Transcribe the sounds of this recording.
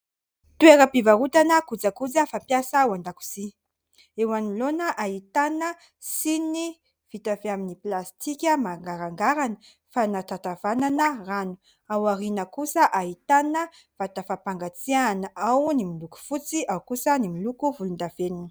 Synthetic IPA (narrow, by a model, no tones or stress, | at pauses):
t̪ueɾəpivaɾut̪anəkud͡zakud͡zəfampjasawand̪aku̥z̥i | ewanilonəʔaɦit̪anə | sini | v̥it̪aveaminiplast̪ʰikʲəmaŋɡaɾaŋɡaɾanə | fanat̪at̪avananəranu̥ | awaɾinəkusəʔaɦit̪anə | v̥at̪afapaŋɡat͡sianəawnimiluku̥fut͡siawkusənimilukuvulund̪avenini̥